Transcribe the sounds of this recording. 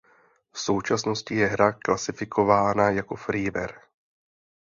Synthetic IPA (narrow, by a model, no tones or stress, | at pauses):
fso̞wt͡ʃasno̞scɪjɛɦɾaklasɪfɪko̞vaːnajako̞fɾiːvɛ̰ɾ